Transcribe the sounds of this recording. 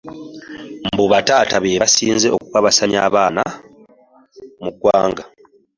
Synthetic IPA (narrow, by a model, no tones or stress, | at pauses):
mbuβataːtaβeːβasiːnze̞okukaβasaɲa̰ːβaːna̰ | mukwaːŋɡa